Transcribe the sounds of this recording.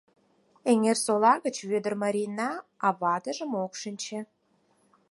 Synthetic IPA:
eŋersolɑɣət͡ɕβød̪ərmɑɾʲinɑɑβɑd̪əʒə̆mokʃənʲt͡ɕĕ

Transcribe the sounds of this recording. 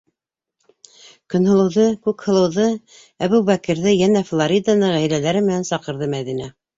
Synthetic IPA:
kɵ̆nhɤ̆lˠɤ̆wðɤkʉkhɤ̆lˠɤ̆wðɤ | æβubækɘ̆ɾðɘjænæflˠoɾʲid̪anɤʁæjlælæɾɘmɘ̆nænsɑqɤ̆ɾðɤmæðinæ

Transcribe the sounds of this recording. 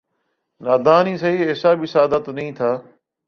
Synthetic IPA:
naːd̪aːnĩːsɐɦiːeːsaːbisaːd̪ət̪nɐĩːt̪ʰaː

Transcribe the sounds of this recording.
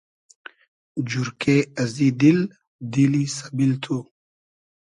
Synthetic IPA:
d͡ʑuɾkeɐzid̪il | d̪ilisabilt̪ʰu

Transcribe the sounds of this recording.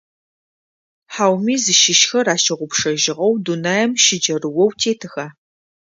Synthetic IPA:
ħaːwmiːzɨʃɪʃxɐraːʃɐʁʷʊpʂɐʒɪʁɐwdunajɛmʃɪd͡ʒɐrɨwɔwtʰeːtʰɨxaː

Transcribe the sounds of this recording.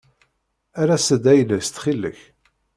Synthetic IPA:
aɾæsəd̪æjləst̪χilːə̰ç

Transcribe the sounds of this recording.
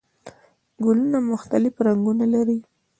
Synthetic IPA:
ɡʊlunamʊxt̪alɪfɾaŋɡunalaɾi

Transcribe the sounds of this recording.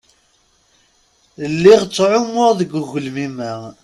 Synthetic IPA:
əlːiʁt͡sːʕʊmːʊʁðəɡuɣəlmimæ

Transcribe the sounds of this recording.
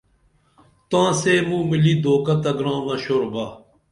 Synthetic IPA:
t̪ãːseːmũmilid̪ʱoːkɐt̪ɐɡɾãːmɐɕoːɾba

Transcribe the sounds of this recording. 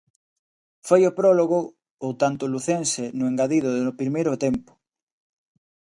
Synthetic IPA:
fojopɾɔloɣʊ | ot̪ant̪ʊluθensenʊeŋɡaðiðʊðnʊpɾimejɾʊt̪empʊ̥

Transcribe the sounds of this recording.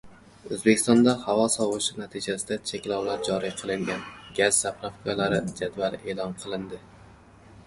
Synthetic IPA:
ɵzbekʲɪ̥st̪ɒnd̪ahavɒsɒwɨʃɪnat̪ʰɪd͡ʒasɪd̪at͡ʃʰekʲlɒwlaɾd͡ʒɒɾijqʰɨlˠɪŋɡʲanɡʲaz̥sapʰɾafkalaɾɪd͡ʒad̪valˠʔe̞ːlˠɒnqʰɨlˠɪnd̪ɪ

